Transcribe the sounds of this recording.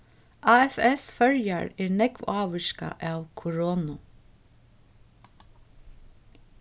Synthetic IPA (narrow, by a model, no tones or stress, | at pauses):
ʔaːɛfɛsfœɹjaɹæːɹnɛkʋɑːʋəʃka̰ʔæːwkʰʊɹɔːnʊ